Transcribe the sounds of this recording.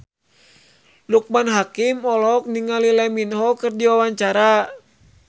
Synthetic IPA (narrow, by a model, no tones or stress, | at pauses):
luk̚manɦakimɔlɔk̚niŋalilɛminɦɔkɨrdiwawaɲt͡ʃaɾa